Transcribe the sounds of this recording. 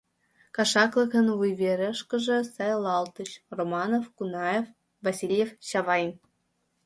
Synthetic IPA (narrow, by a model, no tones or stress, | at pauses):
kɑʂɑklˠɤ̆kɤ̆nvujvʲeɾʲɘ̆ʂkɤ̆ʐɤ̆sɑjlˠɑlˠt̪ɤ̆ɕromɑnofkunɑjef | vɑsʲilʲjefɕɑvɑjn